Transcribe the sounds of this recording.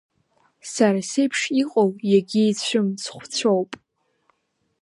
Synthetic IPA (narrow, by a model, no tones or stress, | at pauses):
saɾasejpʰʂiqʼowjaɡʲɪːt͡ɕʷʰʊmsχʷt͡sʷʰowpʼ